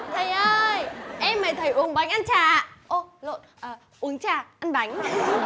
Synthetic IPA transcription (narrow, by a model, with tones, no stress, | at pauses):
t̪ʰə˨˩jʔəː˧jʔɛ˧mːəː˨˩jt̪ʰə˨˩jʔu˨˦əŋɓa˨˦jŋ̟ʔa˧nt͡ɕaː˧˩ʔo˧˩lo̰˧˨nʔəː˨˩ | ʔu˨˦əŋt͡ɕaː˨˩ʔa˧nɓa˨˦jŋ̟